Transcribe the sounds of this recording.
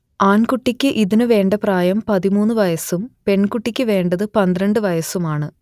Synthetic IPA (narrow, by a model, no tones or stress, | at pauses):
aːnkuʈːikʲːɨʔiðinɨʋe̞ːɳɖɐpraːjɐmpɐðimuːnːɨʋɐjɐsumpe̞ɳkuʈːikʲːɨʋe̞ːɳɖɐðɨpɐnd̪rɐɳɖɨʋɐjɐsumaːɳɨ